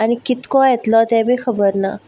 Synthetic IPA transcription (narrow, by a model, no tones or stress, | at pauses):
aɽ̃ikit̪kɔjɛt̪lɔt̪ɛ̃bʱikʰəbəɾna̰